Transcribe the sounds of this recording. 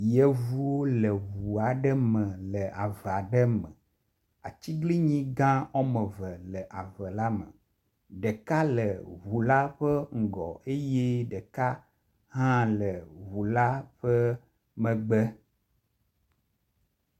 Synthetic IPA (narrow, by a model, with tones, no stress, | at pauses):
jɛ˨vu˦wo˦lə˨βu˨a˨ɖə˦mə̃˨lə˨a˨və˨a˨ɖə˦mə̰̃˨ | a˨t͡ʃi˦ɡli˦ɲĩ˦ɡã˦ɔ˦mə˨və˨lə˨ʔa˨və˨la˦mə̰˨ | ɖə˨ka˦lə˨wu˨la˦ɸə˦ŋ̩˨ɡɔ̰˨e˦je˦ɖə˨ka˦ | ɦã˦lə˨βu˨la˦ɸə˦ | mə̃˨ɡ͡bɛ˦